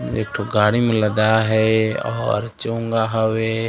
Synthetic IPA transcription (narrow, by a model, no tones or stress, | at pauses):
eːʈʰoɡaːɽimẽləd̪aɦɛɔ̰ːɾt͡ʃõːŋɡaɦɐwe